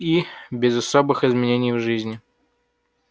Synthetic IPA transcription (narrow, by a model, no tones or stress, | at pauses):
ibʲɪzɐsobɨxɪzmʲɪnʲenʲɪjvʐɨzʲnʲɪ